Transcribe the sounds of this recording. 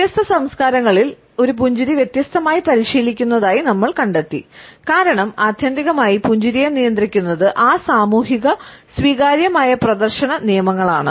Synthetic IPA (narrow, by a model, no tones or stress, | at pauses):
t̪jɐst̪ʰɐsɐmskaːɾɐŋːɐɭil | o̞ɾup̬uɲd͡ʑuɾiʋje̞t̪jɐst̪ʰɐmaːjipɐɾiɕiːlikʲːunːɐðaːjinɐmːɐɭkɐɳɖet̪ːikaːɾɐɳɐmaːd̪ʱjɐnd̪iɣɐmaːjipuɲd͡ʑuɾijenijɐnd̪rikʲːunːɐðɨʔaːsaːmuːɦiɣɐsʋiːɣaːɾjɐmaːjɐprɐd̪ɐrɕɐɳɐnijɐmɐŋːɐɭaːɳɨ̰